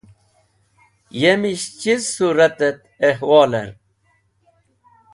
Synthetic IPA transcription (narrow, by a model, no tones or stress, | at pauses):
jemiɕt͡ɕizsuɾɐt̪et̪̚ | ehwɑːlə̰ɾ